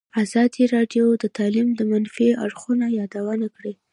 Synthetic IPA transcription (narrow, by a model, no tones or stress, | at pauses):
azɑd̪iɾɑɖjod̪ət̪ʰɑlimd̪əmanfia̰ɽxunajɑd̪awanakɽi